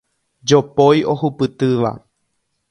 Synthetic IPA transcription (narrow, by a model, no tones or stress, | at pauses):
d͡ʒopojʔo̞hupɨt̪ɨʋa̰